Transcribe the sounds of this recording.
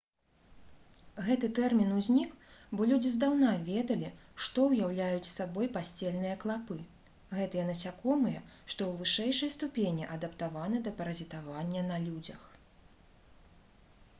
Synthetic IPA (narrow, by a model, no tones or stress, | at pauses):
ɣɛt̪ɨt̪ɛrmʲinuzʲnʲikbɔlʲud͡zʲizd̪awnavʲɛd̪ɐlʲiʂt̪ɔwjawlʲajut͡sʲsabɔjpasʲt͡sʲɛlʲn̪ɨjɐklˠapɨ | ɣɛt̪ɨjɛnɐsʲakɔmɨjɐʂt̪ɔwvɨʂɛjʂɐjst̪upʲenʲiʔɐd̪ɐpt̪avanɨd̪ɐpɐɾɐzʲit̪avanʲːɐnɐlʲud͡zʲɐ̰x